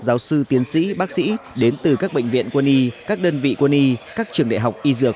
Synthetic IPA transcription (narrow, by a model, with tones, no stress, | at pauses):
zaː˨˦wsɨ˧t̪i˨˦ənsḭ˧˥ɓaː˦˥k̚sḭ˧˥ɗe˨˦nt̪ɨ˨˩kaː˦˥k̚ɓḛ˧˨jŋ̟vḭ˧˨ənku˧əni˧kaː˦˥k̚ɗəː˧nvḭ˧˨ku˧˩ni˧kaː˦˥k̚t͡ɕɨ˨˩əŋɗa̰˧˨ɦa˨˩wk͡p̚ʔi˧zɨ˧˩ək̚